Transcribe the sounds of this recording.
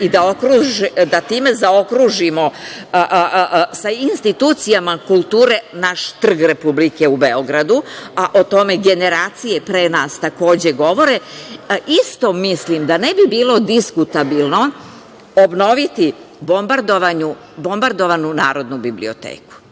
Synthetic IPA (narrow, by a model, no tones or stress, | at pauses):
id̪ao̞kɾuʒd̪at̪iːme̞zao̞kɾuʒimo | sainst̪it̪uːt̪sijamakulˠt̪uːɾe̞naʃt̪r̩ɡɾe̞publike̞ubeo̞ɡɾad̪uaʔot̪o̞me̞ɡe̞ne̞ɾaːt̪sije̞pɾenaːst̪ako̞ːd͡ʑeɡo̞ʋo̞ɾe̞ʔist̪o̞mislimd̪anebibiːlo̞d̪iskut̪abilˠno̞ | obno̞ʋit̪ibombaɾd̪oʋaɲu | bo̞mbaɾd̪o̞ʋanunaːɾo̞d̪nubiblḭot̪ḛːku̥